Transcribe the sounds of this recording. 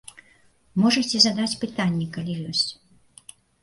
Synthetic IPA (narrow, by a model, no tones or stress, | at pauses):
mɔʐɐt͡sʲɛzad̪at͡sʲpɨt̪anʲːɛkalʲijɔsʲt͡sʲ